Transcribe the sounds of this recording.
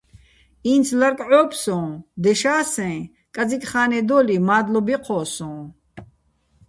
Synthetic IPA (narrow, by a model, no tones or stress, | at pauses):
iːnt͡sʰlaɾkʼʕɔːpʰsɔ̃ːd̪ɛʃaːsɛ̃ | kʼad͡zikʼχaːnɛd̪ɔːlimaːd̪lɔbiqʰɔːsɔ̃ː